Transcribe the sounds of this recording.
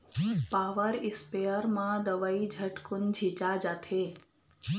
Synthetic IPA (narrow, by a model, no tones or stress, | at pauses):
paʋəɾɪspejəɾmãd̪əʋaid͡ʒʱəʈkʊnd͡ʒʱit͡ʃad͡ʒat̪ʰe